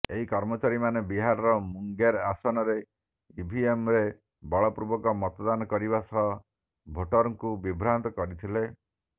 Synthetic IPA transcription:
eɦikɔɾmɔt͡ʃaɾimanebiɦaɾɔɾɔmuŋɡeɾasɔnɔɾe | ibʱiemɾe | bɔɭɔpɾubɔkɔmɔt̪ɔd̪anɔkɔɾibasɔɦɔ | bʱoʈɔɾɔŋkubibʱɾant̪ɔkɔɾit̪ʰile

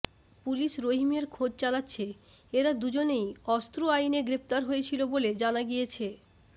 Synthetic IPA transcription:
puliʃɾoɦimeɾkʰod͡ʑt͡ɕalatːɕʰe | eɾad̪ud͡ʑonejɔst̪ɾoajneɡɾep̚t̪aɾɦojet͡ɕʰiloboled͡ʑanaɡijet͡ɕʰe

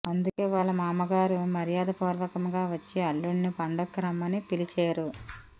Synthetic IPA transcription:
ɐnd̪ukeːʋaːɭːɐmaːmɐɡaːɾumɐɾijaːd̪ɐpuːɾʋɐkɐmɡaːʋɐt͡ʃːeɐlːuɳːipɐɳɖɐkːɾɐmɐnipilit͡ʃeːɾu

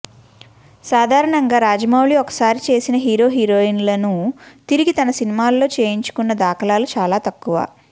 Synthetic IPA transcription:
saːd̪ʱaːɾɐɳɐŋɡaːɾaːd͡ʒɐmawɭiɔkɐ̥saːɾit͡ʃe̞ːsinɐɦiːɾo̞ːɦiːɾo̞ːinlɐnut̪iɾiɡit̪ɐnɐsinimaːlːo̞ːt͡ʃe̞ːjiɲt͡ʃu̥kunːɐd̪aːkʰɐlaːlut͡ʃaːlaːt̪ɐkːuʋa̰ː

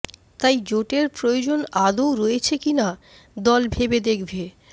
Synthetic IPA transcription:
t̪ajd͡ʑoʈeɾpɾojod͡ʑonad̪owɾojet͡ɕʰekina | d̪ɔlbʱebed̪ekʰbe

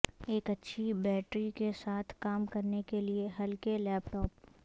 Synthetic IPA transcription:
eːkɐtːʃʰibɛːʈɾikesaːt̪ʰkaːmkɐɾnekelieɦɐlkelɛːpʈɔːp̚

